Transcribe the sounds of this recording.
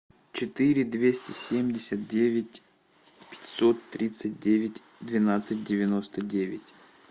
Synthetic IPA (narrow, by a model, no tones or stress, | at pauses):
t͡ɕɪt̪ɨɾʲɪd̪vʲesʲtʲɪsʲemʲdʲɪsʲət̪̚dʲevʲɪtʲ | pʲɪ̥tʲsot̪ːɾʲit̪sɨt̚ʲdʲevʲɪtʲ | d̪vʲɪnat̪sɨt̚ʲdʲɪvʲɪnost̪ədʲevʲɪtʲ